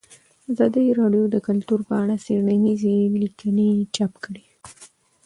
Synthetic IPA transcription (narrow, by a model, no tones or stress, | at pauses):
azɑd̪əjɾɑɖjod̪əkʊlt̪uɾpəaɽaseɽɳanizelikənet͡ʃapkəɽi